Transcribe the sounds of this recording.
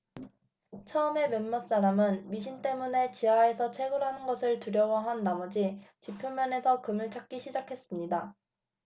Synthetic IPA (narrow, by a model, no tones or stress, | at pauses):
t͡ɕʰʌɯme̞mjʌnmːʌs͈aɾamɯnmiɕʰint͈e̞mune̞t͡ɕiɦae̞sʰʌt͡ɕʰe̞ɡɯɾɦanɯnɡʌsʰɯɭtuɾjʌwʌɦanːamʌd͡ʑit͡ɕipʰumːjʌne̞sʰʌkɯmɯɭt͡ɕʰak̚k͈iɕʰid͡ʑakʰe̞s͈ɯmɲida